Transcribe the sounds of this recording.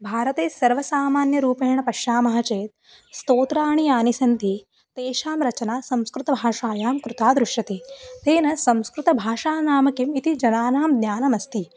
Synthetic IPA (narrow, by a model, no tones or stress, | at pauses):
bʱaːɾɐt̪eːsɐɾʋɐsaːmaːnjɐɾuːpɐɦɳɐpɐʃjaːmɐɦɐt͡ʃeːt̪̚ | st̪oːt̪ɾaːɳiaːnisɐnt̪i | t̪eːʃaːmɾɐt͡ʃɐnaːsɐ̃mskɾut̪ɐbʱaːʂaːjaːmkɾut̪aːd̪ɾuʂjɐt̪et̪eːnɐsɐ̃mskɾut̪ɐbʱaːʂaːnaːmɐkimit̪id͡ʒɐnaːnaːmd̪njaːnɐmɐst̪i